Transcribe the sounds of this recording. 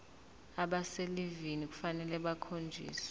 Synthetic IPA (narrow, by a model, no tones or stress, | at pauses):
aɓaselivinik̬ʼu̥fanɛlɛɓakʰond͡ʒʱḭːsḁ